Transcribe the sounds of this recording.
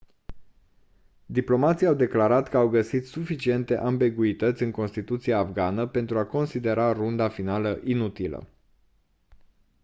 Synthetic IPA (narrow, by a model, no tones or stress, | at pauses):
d̪iplo̞mat̪siawd̪e̞klaɾat̪kəawɡəsit̪sufit͡ʃie̞nt̪e̞ʔambiɡuit̪ət̪sʲɨŋko̞nst̪it̪ut̪siaːfɡanəpe̞nt̪ɾuako̞nsid̪e̞ɾarund̪afinaləʔinut̪ilə̰